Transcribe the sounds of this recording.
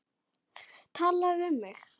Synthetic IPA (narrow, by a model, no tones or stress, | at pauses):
t̪ʰaːlaʏmːɛx